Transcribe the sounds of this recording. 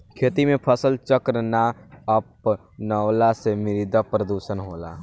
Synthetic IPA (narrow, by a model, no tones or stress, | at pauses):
kʰeːt̪imẽpʰəsəlt͡ʃəkɾənaəp | nəwlasemiɾid̪apɾəd̪uʃənɦoːla̰